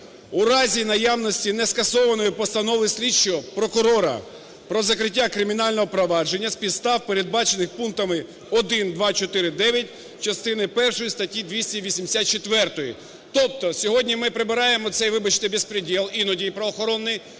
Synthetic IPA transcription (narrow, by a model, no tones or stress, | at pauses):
uɾɑzʲinɐjawnɔsʲtʲinɛskɐsɔʋɐnɔjʊpɔst̪ɐnɔʋɪsʲlʲit͡ʃːɔpɾɔkʊɾɔɾɐ̰ | pɾɔzɐkɾɪtʲːakɾɪmʲinɑlʲnɔɦɔpɾɔʋɑd͡ʒe̞nʲːɐspʲit̪st̪ɑwpeɾed̪̚bɑt͡ʃenɪxpunt̪ɐmɪ | ɔd̪ɪnd̪ʋɑt͡ʃɔt̪ɪɾɪd̪ɛʋʲjɐtʲ | t͡ʃɐst̪ɪnɪpɛrʃɔjist̪ɐtʲid̪ʋʲisʲtʲiʋʲisʲimd̪esʲat̪̚t͡ʃet̪ʋɛrt̪ɔji | t̪ɔp̚t̪ɔsʲɔɦɔdʲnʲimɪpɾɪbɪɾɑjemɔt̪sɛjʋɪbɐt͡ʃnɪbespɾɪdʲilˠinɔdʲijpɾɔɔxɔɾɔnːɪj